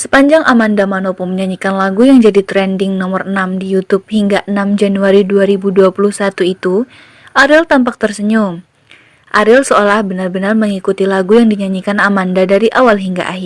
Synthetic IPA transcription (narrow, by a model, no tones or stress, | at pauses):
sə̥paɲd͡ʒaŋʔamandamanopʊnməɲaɲikanlaɡujaŋd͡ʒadit̪ɾɛndɪŋnɔmərənamdijut̪up̚hiŋɡaʔənamd͡ʒanuaɾiduaɾibuduapuluhsat̪uit̪u | ʔaɾɪlt̪ampak̚t̪ərsəɲuŋ | ʔaɾɪlsəolahbənarbənarməŋikut̪ilaɡujaŋdiɲaɲikanamandadaɾiʔawalɦiŋɡa̰ʔaɦi